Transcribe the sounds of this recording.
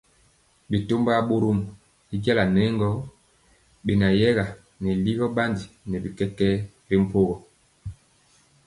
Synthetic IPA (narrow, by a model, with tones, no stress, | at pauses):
bi˨to˦mba˦ɓo˦ɾo˦m˨ | i˦ɡa˦la˨nɛ˦ŋɡɔ˦ | bi˨na˨jɛ˦ɣa˨ | ni˨li˦ɣɔ˦ɓa˦ndi˨nɛ˨bi˨kɛ˦kɛ˦ | bi˦m˨po˦ɣɔ˨